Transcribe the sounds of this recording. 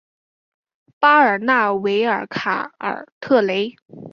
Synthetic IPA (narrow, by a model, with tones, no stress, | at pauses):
pa˥ə˞˨˩na˥˩we˧˥ɪə˞˨˩˥kʰa̰˨˩ə̰˞˨˩t̪ʰɤ˥˩le˧˥ɪ